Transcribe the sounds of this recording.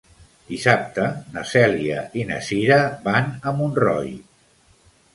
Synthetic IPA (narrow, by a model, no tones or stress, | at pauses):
d̪̥isap̚t̪ənəsɛliəʔinə̰siɾəbanəmunrɔ̰j